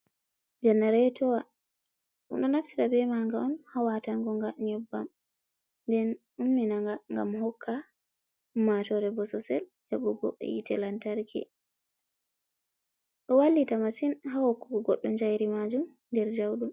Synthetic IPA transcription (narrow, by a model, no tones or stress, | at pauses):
d͡ʒɛnːaɾɛjtɔwa | ṵnɗɔnaftitabɛmaŋɡaʔɔnhawataŋɡɔŋɡaɲɔbːa̰m | ndɛn | umːinaŋɡaŋɡa̰mhɔkʰːa | matɔɾɛbɔsɔsɛljaɓuɡɔ̰jḭtɛlantaɾkʰɛ̰ | ɗɔwalːitamasinɦahɔkːɔkɔɡɔɗːɔnd͡ʒajɾimad͡ʒum | ndɛɾd͡ʒawɗum